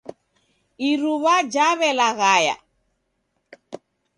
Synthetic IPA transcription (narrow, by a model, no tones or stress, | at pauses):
iɾuβad͡ʒaβɛlaɣaja̰